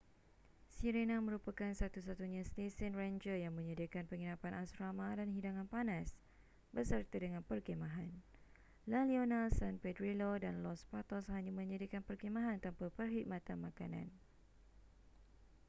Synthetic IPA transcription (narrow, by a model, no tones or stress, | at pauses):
siɾenãmə̃ɾupakansat̪usat̪uɲãst̪esənrand͡ʒəjaŋmə̃ɲədəkanpəŋinãpanʔasɾamãdanɦidaŋãnpanãs | bəsərt̪adəŋãnpərkemãɦan | lalionalsanpɛdɾilodanlɔspat̪ɔshaɲamə̃ɲədikanpərkemãɦant̪ampapərɦit̪̚mãt̪anmãkanã̰n